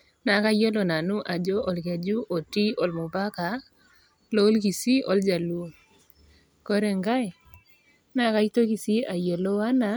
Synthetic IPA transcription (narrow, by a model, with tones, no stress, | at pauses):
na˨˦ka˦jo˦lo˨na˨nu˦ʔa˨d͡ʒo˦ʔɔ˨lke˨d͡ʒu˦ʔo˨ti˦ɔ˨lmʊ˨ba˦ka˨ | lo˦lɡi˨si˦ʔɔ˨ld͡ʒa˨lu˦˨ | kɔ˦ɾɛ˨ŋɡa˦ɛ˨ | na˦ka˦i˦to˦ki˨si˦a˨jo˨lo˦wa˦na˨